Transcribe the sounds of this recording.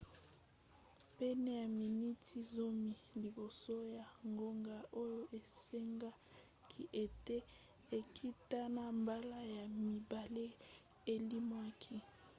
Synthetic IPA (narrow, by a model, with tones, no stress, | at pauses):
pɛ˦ne˦ja˨mi˨ni˦tʰi˦zo˦mi˨li˨bo˨so˦ja˨ŋɡo˦ŋɡa˦ʔo˦jo˦ʔe˨se˦ŋɡa˦ | kʰi˨ʔe˨te˦ | e˨kʰi˦ta˦na˦mba˦la˦ja˨mi˨ba˨le˦ | e˨li˦ma˦kʰi˦